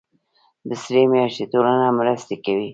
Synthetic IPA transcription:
d̪əsɾemjɑʃt̪et̪olanamɾəst̪ekawi

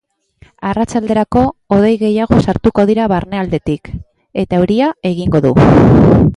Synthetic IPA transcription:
arat͡ʃald̪e̞ɾako̞ːð̞e̞jɣe̞jaɣ̞o̞saɾt̪uko̞ðiɾaβaɾne̞ald̪e̞t̪ik | e̞t̪auɾiae̞ɣ̞iŋɡo̞ðu

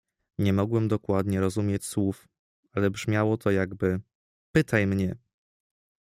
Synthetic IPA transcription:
ɲɛmɔɡwɛmd̪ɔkwad̪ɲɛɾɔzumʲjet͡ɕswuf | alɛbʐmʲjawɔt̪ʰɔjaɡbɘ | pɘt̪ajmɲɛ

